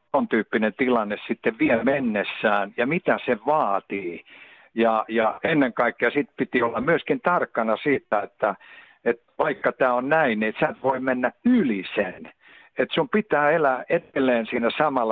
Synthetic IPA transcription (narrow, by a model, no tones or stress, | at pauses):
ont̪yːpːinent̪ilɑnːessit̪ːeʋʋiemenːesːæːnjɑmit̪æseʋɑːt̪iː | jɑjɑenːeŋkɑikːejɑsit̪pit̪iolːɑmmyøskint̪ɑrkːɑnɑsiːt̪æet̪ːæ | et̪ʋɑikːɑt̪æːonnæiniet̪sæːt̪ʋoimenːæylisen | et̪sumpit̪æːelæet̪elːeːnsiːnæsɑmɑl